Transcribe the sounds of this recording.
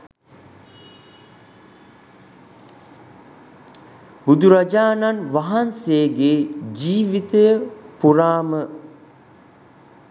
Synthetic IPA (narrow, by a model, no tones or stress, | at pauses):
bud̪uɾad͡ʒaːnanʋaɦanseːɡeːd͡ʒiːʋit̪əjəpuɾaːmə